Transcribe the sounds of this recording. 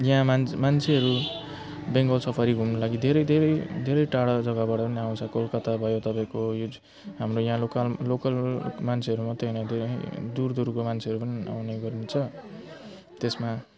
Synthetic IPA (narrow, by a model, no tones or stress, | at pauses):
jãmanmant͡sʰeɦʌɾu | beŋɡʌlsʌpʰaɾiɡʱumnolaɡid̪ʱeɾʌjd̪ʱeɾʌjd̪ʱeɾʌjʈaɽʌd͡zʌɡʌbaɽʌpʌniaw̃t͡sʰʌkolkʌt̪abʱʌjot̪ʌpãĩkojo | ɦamrojãlokallokʌlmant͡sʰeʌɾumʌt̪ʌnʌd̪ḛd̪urd̪uɾkomant͡sʰeɦʌɾupʌnia̰wneɡʌrnet͡sʰʌ | t̪esma